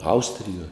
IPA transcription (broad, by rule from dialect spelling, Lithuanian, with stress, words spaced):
ˈɐʊsʲtʲrʲɪjuɔj